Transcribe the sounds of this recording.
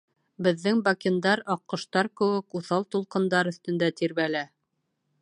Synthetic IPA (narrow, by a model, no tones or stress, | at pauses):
bɘ̆ðːɘŋbakʲind̪ɑɾɑqːɤ̆ʃt̪ɑɾkɘ̆wɘkuθɑlˠt̪ulˠqɤ̆nd̪ɑɾɵ̆θt̪ɵ̆nd̪æt̪iɾβælæ